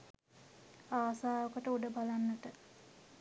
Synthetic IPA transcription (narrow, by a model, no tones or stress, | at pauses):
aːsaːokəʈəuɖəbalanːət̪ə